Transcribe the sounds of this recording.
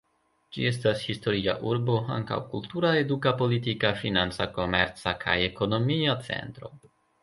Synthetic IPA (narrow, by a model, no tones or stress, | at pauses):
d͡ʒḭe̞s̬tashisto̞ɾia̰ʔuɾbo̞a̰ŋka̰wkultuɾae̞dukapo̞litikafinant͡sako̞me̞̰ɾt͡sakʰa̰je̞ko̞no̞miat͡se̞̰ntɾo̞